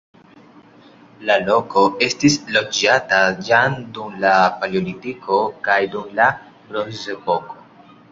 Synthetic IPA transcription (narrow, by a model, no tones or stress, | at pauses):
lalo̞ko̞ʔe̞stislo̞d͡ʒatad͡ʒandumlapoliolitikʰo̞kajdumla | ɾozepo̞ko